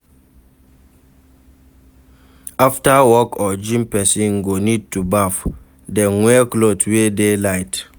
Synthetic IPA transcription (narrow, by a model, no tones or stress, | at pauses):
aftawɔkʰɔd͡ʒĩmpɛsĩnɡonid̚tubaf | dɛŋwɛklotwedelaɪt